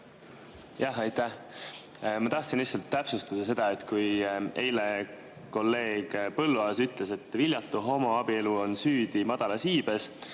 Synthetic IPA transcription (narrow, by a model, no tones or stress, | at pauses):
jɑɦɑjt̪æh | mɑt̪ɑht̪sinlihtsɑlt̪ːæpsust̪ɑd̪̥ɑse̞d̪̥ɑe̞t̪kuje̞jle | ko̞lːe̞ːɡ̥pɤlːuɑsyt̪ˑle̞se̞t̪ːˑvilʲjɑt̪ːˑuɦo̞moɑb̥ie̞luo̞nsyːd̪̥imɑd̪̥ɑlɑsiːb̥e̞s